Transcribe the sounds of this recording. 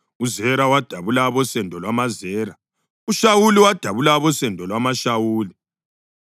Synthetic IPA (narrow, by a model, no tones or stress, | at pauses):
uzɛɾawad̥ʱaβulaβɔsɛndʱɔlwamazɛːɾa | uʃawuliwad̥ʱaβulaβɔsɛndʱɔlwamaʃawuːli